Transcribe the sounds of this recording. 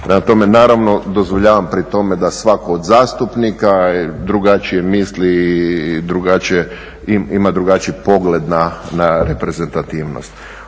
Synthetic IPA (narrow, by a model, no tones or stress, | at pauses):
pɾemat̪o̞me̞naːɾaʋno̞d̪ozʋoʎaːʋampɾit̪o̞med̪asʋakoːd̪zaːst̪upnikad̪ɾuɡat͡ʃije̞misli | d̪ɾuɡat͡ʃije | iimad̪ɾuɡat͡ʃipo̞ɡle̞d̪nanaɾe̞pɾe̞zent̪at̪iːʋno̰st̪